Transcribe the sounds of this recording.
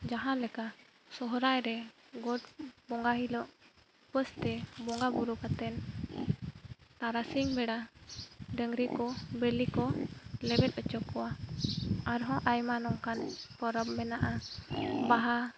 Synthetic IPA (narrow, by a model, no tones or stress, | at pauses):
d͡ʒaɦãlɛka | sɔɦɔɾajɾɛ | ɡɔʈbɔŋɡaɦilɔʔ | pəst̪ɛbɔŋɡabuɾukat̪ɛn | t̪aɾasiŋbɛɽa | ɖəŋɾikɔbəlikɔlɛbɛt̪̚ˀɔt͡ʃɔkːɔwa | aɾɦɔ̃ʔajmanɔŋkanpɔɾɔbmɛnaʔa | baɦa